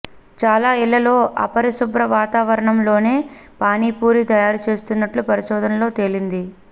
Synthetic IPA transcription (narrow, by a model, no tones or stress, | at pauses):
t͡ʃaːlaːilːɐlo̞ːʔɐ̰pɐɾisubɾɐʋaːt̪aːʋɐɾɐɳɐmlo̞ːne̞ː | paːniːpuːɾit̪ɐjaːɾut͡ʃe̞ːst̪unːɐʈlupɐɾiʃɔːd̪ʱɐnɐlo̞ːt̪e̞lind̪i